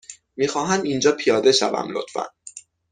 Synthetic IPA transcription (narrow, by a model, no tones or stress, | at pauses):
miːxɒːɦæmind͡ʒɒːpʰijɒːd̪e̞ʃæ̰væ̰mlo̰t̪fæ̰n